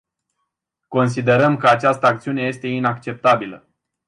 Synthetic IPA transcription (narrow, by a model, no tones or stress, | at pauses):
ko̞ns̬id̪e̞ɾəmkəat͡ʃast̪əak̚t̪siune̞je̞st̪e̞inakt͡ʃe̞p̚t̪abilə̰